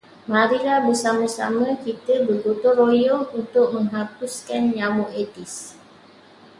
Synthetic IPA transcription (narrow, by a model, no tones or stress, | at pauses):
maɾilahbəsamãsa̰mə̃kit̪əbərɡut̪ʊrojɔunt̪ʊk̚mə̃ŋɦapuskanjawoʔet̪is